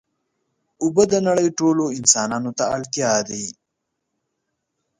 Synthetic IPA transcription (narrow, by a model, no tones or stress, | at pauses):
ʊbəd̪ənaɽəjʈoloɪnsɑːnɑnot̪aːlt̪jɑːd̪i